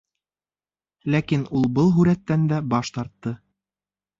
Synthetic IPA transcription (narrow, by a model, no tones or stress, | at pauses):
lækinulˠbɤlˠɦʉɾæt̪ːænd̪æbɑʃt̪ɑɾt̪ːɤ